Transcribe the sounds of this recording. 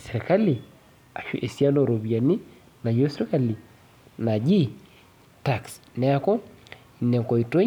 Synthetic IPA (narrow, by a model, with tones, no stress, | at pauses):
se˨ɾi˨ka˦li˨ | a˨ʃṵ˦ʔe˨sja˦no˨ɾo˨bi˨a˨ni˦ | na˨jo˦sɾi˦ka˦li˨ | na˨d͡ʒi˦ | ta˨ksnɛ˨a˦kɔ˦ | i˨nɛ˨ko˨i˨to˦